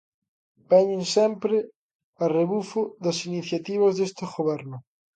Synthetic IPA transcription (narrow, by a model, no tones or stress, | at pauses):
bɛɲɪnsɛmpɾɪ | ɐreβufʊðɐsiniθjat̪iβ̞ɐzðest̪eɣoβɛɾnʊ